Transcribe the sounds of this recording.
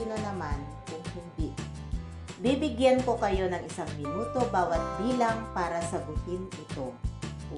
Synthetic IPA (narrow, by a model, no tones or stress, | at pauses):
nonɐman | kʊŋhɪnb̪ɪʔ | bibɪɡjanko̞kɐjo̞nɐŋɪsaŋmɪnuːt̪o̞baːwɐt̪̚biːlɐŋpaːɾɐsɐɡʊhɪnɪt̪o̞